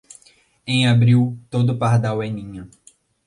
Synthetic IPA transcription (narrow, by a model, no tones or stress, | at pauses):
ẽj̃abɾiwt̪od̪ʊpaɾd̪awɛnĩɲɐ